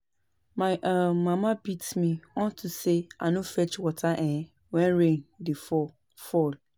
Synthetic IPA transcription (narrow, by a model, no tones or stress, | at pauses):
mãʔamãmãbitmĩɔ̃ntʰusea̰nʊ̃fɛt͡ʃwɔtʰaʔɛ̃ | wɛ̃nɾẽndɪfɔ | fɔl